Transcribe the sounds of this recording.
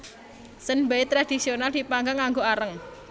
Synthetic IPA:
sənmbait̪ɾad̪̥isionald̪̥i̤paŋɡaŋaŋɡoaɾəŋ

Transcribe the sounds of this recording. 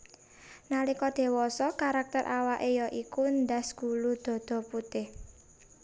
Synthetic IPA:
nalikɔd̪̥e̤wɔsɔkaɾak̚t̪əɾʔawaʔejɔʔikund̪a̤sɡ̥ulud̪̥ɔ̤d̪̥ɔ̤put̪ɪh

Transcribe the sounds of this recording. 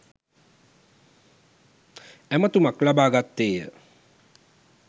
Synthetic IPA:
ɛmət̪umaklabaːɡat̪ːeːjə̰

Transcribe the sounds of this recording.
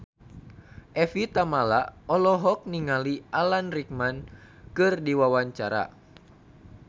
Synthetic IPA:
ʔɛfit̪amalaɔlɔɦɔk̚niŋaliʔalanrik̚man | kɨrdiwawaɲt͡ʃaɾa̰

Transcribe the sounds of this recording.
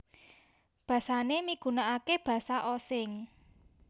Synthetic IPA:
b̥ä̤sanemiɡ̥ṳnaʔakeb̥ä̤saʔɔsɪŋ

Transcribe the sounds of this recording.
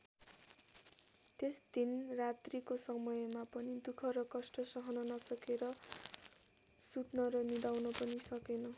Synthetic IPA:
t̪esd̪inrat̪rikosʌmʌjmapʌnid̪ukʰʌɾʌkʌsʈʌsʌɦʌnʌnʌsʌkeɾʌ | sut̪nʌɾʌnid̪awnʌpʌnisʌkenʌ

